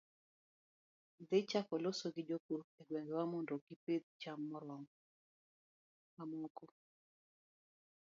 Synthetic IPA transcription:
d̪et͡ʃakɔlosoɡɪd͡ʒokuɾeɡwɛŋɡɛwamɔndoɡɪped̪̚t͡ʃamːɔɾwɔŋ | mamoko

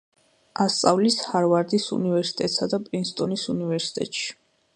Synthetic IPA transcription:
ast̪sʼavlishaɾvaɾd̪isṵnivɛɾsi̥t̪ʼɛt̪ʼsad̪apʼɾinst̪ʼɔnisunivɛɾsi̥t̪ʼɛ̰t̪ʼʃi̥

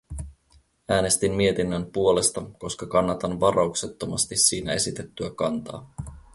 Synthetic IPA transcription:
æːne̞st̪immie̞t̪inːæmpuo̞le̞st̪ɑko̞skɑkɑnːɑt̪ɑnʋɑɾʔɑukset̪ːo̞mɑst̪isːiːnæe̞sit̪e̞t̪ːyækɑnt̪ɑ̰ː

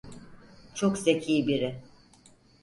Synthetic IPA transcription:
t͡ʃʰoksecʰiːbiɾɪ

